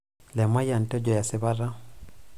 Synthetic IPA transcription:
lɛ˨ma˦ja˨n˨tɔ˦d͡ʒɔ˨ja˨sɪ˨βa˦ɾa˦

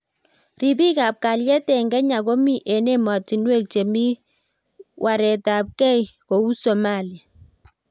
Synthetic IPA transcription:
ri˨bi˦kaː˨p̚ka˨ljɛ˦tɛ˨ŋɡɛ˦ɲa˨ko˦mi˦˨ʔe˨ne˦mɔ˨ti˨nwe˦k̚t͡ʃe˨mi˦ | wʔa˨ɾɛ˨ta˨p̚kɛ˦jko˨u˦so˨ma˦˨la˨

